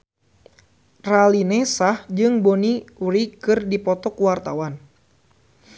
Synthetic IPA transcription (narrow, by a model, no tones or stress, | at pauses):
ralinesahd͡ʒɨŋboniuɾikɨrdipɔt̪ɔkuwart̪awan